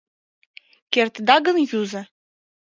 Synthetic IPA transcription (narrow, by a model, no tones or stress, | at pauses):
kert̪d̪ɑɡə̆njuzə̆